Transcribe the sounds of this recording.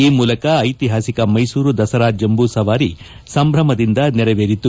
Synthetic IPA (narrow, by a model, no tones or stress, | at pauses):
iːmuːlɐkɐːjt̪iɦaːsikɐmɐjsuːɾud̪ɐsɐɾaːd͡ʒjɐmbusɐʋaːɾi | sɐmbɾɐmɐd̪ind̪ɐnɛɾɐʋeːɾit̪ːu